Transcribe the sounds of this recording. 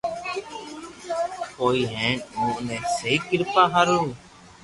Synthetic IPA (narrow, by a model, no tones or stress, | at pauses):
koːiːɦẽːɳnũːʊnẽːseiːkɪɾpaːɦaɾuː